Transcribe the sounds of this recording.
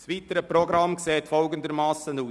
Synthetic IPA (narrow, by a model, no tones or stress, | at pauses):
sʋitəɾəpɾɔɡɾɑmkseːtfɔlɡəndəɾmɑːsənuː